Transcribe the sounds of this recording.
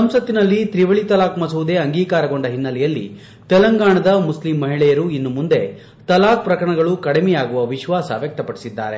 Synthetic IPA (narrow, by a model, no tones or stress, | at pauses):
sɐmsɐt̪ːinɐlːit̪ɾiʋɐɭit̪ɐlaːkmɐsuʋud̪e̞ɐŋɡiːkaːɾɐɡo̞ɳɖɐɦinːɐlɛjɐlːḭ | t̪ɛlɐŋɡaːɳɐd̪ɐmuslimːɐɦiɭɛjɐɾuinːumund̪e̞ | t̪ɐlaːk̚pɾɐkɾɐɳɐɡɐɭukɐɽemɛjaːɡuʋɐʋiʃʋaːsɐ̰ʋjɐk̚t̪ɐpɐɽisid̪ːa̰ːɾe̞